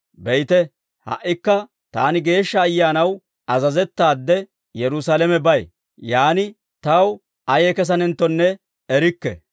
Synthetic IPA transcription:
bɛjt̪ɛ | hɐ̰ʔːɪkːɐ | t̪a̰ːnɪɡe̞ːʃːɐːjːaːnɐw | ʔɐzɐzɛt̪ːaːd̪ːɛ | jɛɾʊsalɛmɛbɐj | jaːnɪ | t̪ɐw | ɐjɛkɛs̬ɐnɛnt̪ːɔnːɛ | ɛɾɪkːɛ̰

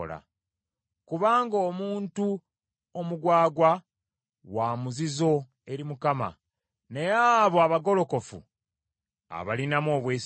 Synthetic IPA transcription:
la̰ | kuβaːŋɡoːmuːntu | omuɡwaːɡwa | waːmuzizo̞ | e̞ɾimukama̰ | ne̞jaβoaβaɡo̞lo̞ko̞fṵ | a̰βalinamo̞ːβweːs

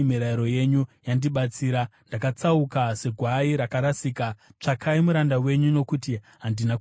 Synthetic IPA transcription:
miɾaiɾo̞je̞ɲujandiɓat͡siːɾandakat͡saukase̞ɡʱwaiɾakaɾasiːkat͡ʂakʰaimuɾandawe̞ɲuno̞kuti | ɦandinak

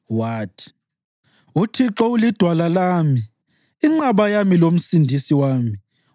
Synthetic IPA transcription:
waːtʰi̥ | utʰiǁɔulid̥ʱwalalaːmi | iŋ͡ǀaβajamilom̩sindʱisiwaːmi

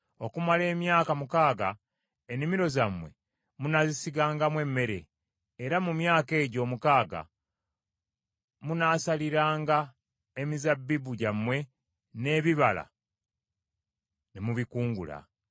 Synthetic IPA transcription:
o̞kumale̞ːmjaːkamukaːɡa | enimiɾo̞zamwe̞̰ | munazisiɡaːŋɡamwe̞mːe̞ɾe̞̰ː | ɾamumjaːke̞ːɟo̞ːmukaːɡa̰ | munaːsaliɾaːŋɡa | emizabːibuɟamːwe̞ | ne̞ːβiβala̰ | nemuβikuːŋɡṵla̰

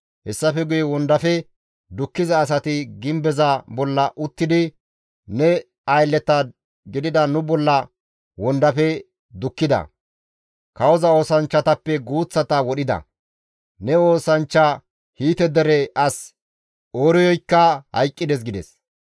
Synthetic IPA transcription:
hɛsːɐfɛɡʊjɛwɔnd̪ɐfɛ | d̪ʊkːɪzɐːs̬ɐt̪ɪɡɪmbɛzɐbɔlːɐʔʊt̪ːɪd̪ɪ | nɛ | ɐjlːɛt̪ɐ | ɡɪd̪ɪd̪ɐnʊbɔlːɐ | wɔnd̪ɐfɛ | d̪ʊkːɪd̪ɐ̰ | kɐwɔzɐo̞ːsɐnt͡ʃːɐt̪ɐpːɛɡuːt͡sːɐt̪ɐwɔɗɪd̪ɐ̰ | nɛo̞ːsɐnt͡ʃːɐ | hiːt̪ɛd̪ɛɾɛʔɐs | oːɾɔjɔjkːɐhɐ̰jkʼːɪd̪ɛs̬ɡɪd̪ɛs

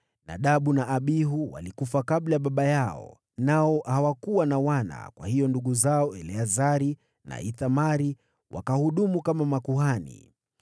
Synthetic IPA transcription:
na̰ɗaɓunaʔːɓiɦuwa̰likufakaɓlajaɓaɓajaɔ̰ | naɔhawakuwanawana̰kwa̰hijɔnduɠuzaɔɛlɛazaɾi | na̰iθamaɾi | wʔa̰kahuɗumukamamakuhanḭ

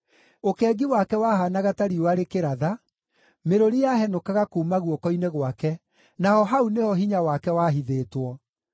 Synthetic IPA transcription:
okɛːɡiwakɛwahanaɣataɾiwaɾekeɾaða | meɾoɾijaɦɛnokaɣakuːmaɣwɔkɔineɣwakɛ | naɦɔɦaunehɔɦiɲawakɛwaːɦiðeːtwɔ

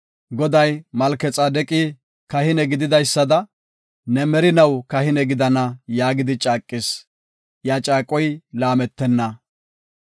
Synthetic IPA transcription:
ɡɔd̪ɐjmɐlkɛt͡sʼɐd̪ɛkʼi | kɐhɪnɛɡɪd̪ɪd̪ɐjsːɐd̪ɐ | nɛmɛɾɪnɐwkɐhɪnɛɡɪd̪ɐnɐjaːɡɪd̪ɪt͡ʃʼaːkʼːɪs | jaːt͡ʃʼaːkʼːɔjlaːmɛt̪ːɛnːɐ

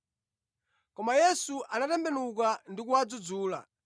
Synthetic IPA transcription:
kɔmajɛsuʔanatɛmbɛnukandikuad͡zud͡zuːla̰

